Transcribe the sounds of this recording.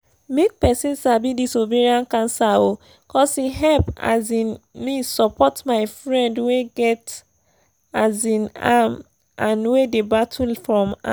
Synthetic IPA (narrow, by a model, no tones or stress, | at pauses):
mek̚pɛsĩnsabidisoveɹiãnkãnsao | kɔsiɦɛlpa̰zĩnmisɔpʰɔtmaɪfɹɛ̃ndweɡɛt | azĩna̰m | ʔãnwedebatʰulfɹɔ̃ma̰